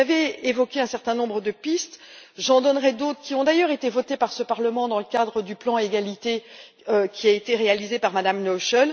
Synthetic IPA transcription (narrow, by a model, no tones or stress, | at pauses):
avɛevɔkʲeɛ̃sɛʁt̪ɛ̃nɔ̃bʁəd̪əpist̪ʒɑ̃d̪ɔnʁɛd̪ot̪χə̥kʲiɔ̃d̪ajœʁet̪evɔt̪epaʁsəpaʁləmɑ̃d̪ɑ̃ləkad̪ʁəd̪yplɑ̃eɡalit̪e | økʲiaet̪eʁealizepaʁmad̪amnɔʃɔl